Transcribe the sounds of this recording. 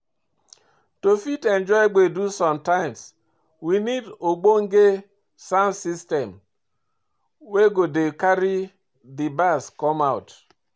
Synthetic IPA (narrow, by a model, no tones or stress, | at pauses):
tofitend͡ʒɔɪɡ͡bedusɔ̃mtaɪms | winidoɡ͡boŋ̩ɡe | sansistɛm | weɡodekaɾi | dibaskɔmaʊt